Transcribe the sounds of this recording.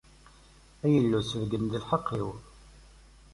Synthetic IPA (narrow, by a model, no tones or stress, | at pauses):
æjəlːusəðɡənd̪əlħɑqʰːiw